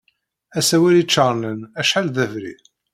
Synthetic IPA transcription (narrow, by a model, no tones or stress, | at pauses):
æsæwælit͡ʃːəɾˤnənæʃħalðævɾḭ